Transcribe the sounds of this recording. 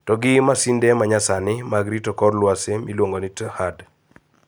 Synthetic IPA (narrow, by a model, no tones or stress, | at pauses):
tɔɡɪmasindɛmaɲasanɪmaɡɾitɔkɔrlwasemilwoŋɡonɪthad